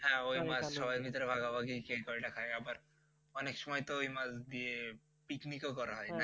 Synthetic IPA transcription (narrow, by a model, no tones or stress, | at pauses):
ɦɛ̃ojmad͡zʃɔbajeɾbʱit̪ɔɾebʱaɡabaɡikekɔiʈakʰajabaɾ | ɔnekʃɔmɔjt̪oojmad͡zd̪ie | piknikokɔɾaɦɔjna